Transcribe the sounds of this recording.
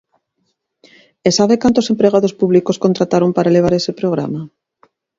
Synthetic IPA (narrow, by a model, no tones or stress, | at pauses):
esaβekant̪osempɾeɣ̞aðospuβlikoskont̪ɾat̪aɾompaɾaeleaɾesepɾoɣ̞ɾa̰ma